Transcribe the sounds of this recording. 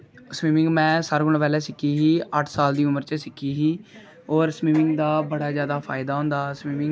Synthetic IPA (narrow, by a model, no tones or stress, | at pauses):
smiːmɪ̃ŋɡmɛ̃ːsəɾɡʊɳpɛːlɛːsɪkiːɦiːəʈʰsaːld̪iːʊməɾt͡ʃəsɪkiːɦiː | ɔːɾsmiːmɪ̃ŋɡd̪aːbəɽaːzjaːd̪aːpʰaːɪd̪aːɦõnd̪aːsmiːmɪ̃ŋ